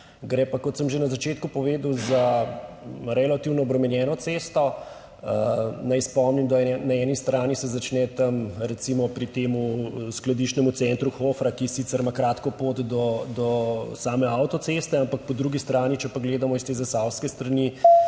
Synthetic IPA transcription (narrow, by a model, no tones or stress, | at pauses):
ɡɾɛpakɔt̪səmʒenazat͡ʃeːt̪kupɔʋeːd̪əwza | ɾɛlat̪iwnɔːbɾɛmɛnjɛːnɔt̪sest̪ɔ | ənɛjspɔmnimd̪aɛnaɛːnist̪ɾaːnisɛzat͡ʃnɛt̪ɐmɾɛt̪simɔpɾit̪eːmusklɐd̪iʃnɛmut̪sɛnt̪ɾuxofɾakisit̪sɛɾmakɾaːt̪kɔpot̪d̪ɔd̪ɔsaːmɛawt̪ɔt̪sest̪ɛampak̚pɔd̪ɾuɡist̪ɾaːnit͡ʃɛpaɡleːd̪amɔist̪eːzasawskɛst̪ɾɐni